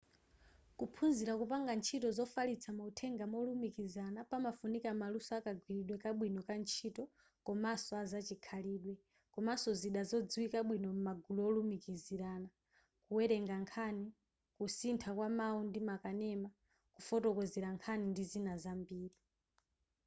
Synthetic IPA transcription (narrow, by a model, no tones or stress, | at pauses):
kupʰunziɾakupaŋɡant͡ʃʰitɔzɔfalit͡sʰamautʰɛŋɡamɔlumikizanapamafunikamalusɔakaɡʱwiɾiɗwɛkaɓwinɔkant͡ʃʰitɔ | kɔmasɔazat͡ʃikʰaliːɗwɛ | kɔmasɔziɗazɔd͡zwikaɓwinɔm̩maɡuluɔlumikiziɾaːna | kuwɛɾɛŋɡaŋkʰani | kusintʰakwamaundimakanɛma | kufɔtɔkɔziɾaŋkʰanindizinazambiːɾi